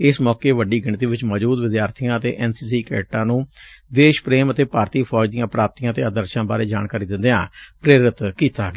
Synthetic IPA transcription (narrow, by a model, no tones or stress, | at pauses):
ɪsmɔːkeːʋəɖiːɡɪɳt̪iːʋɪt͡ʃmɔːd͡ʒuːd̪ʋɪd̪jaːɾt̪ʰijãːət̪ḛːʔɛːnsiːsiːkɛ̰ːʈãːnũːd̪eːʃpɾeːmət̪eːpaːɾt̪iːpʰɔːd͡ʒd̪ijãːpɾaːp̚t̪ijãːt̪eːad̪əɾʃãːba̰ːɾeːd͡ʒa̰ːɳkaːɾiːd̪ɪ̃nd̪ejãːpɾeːɾɪt̪kiːt̪aːɡ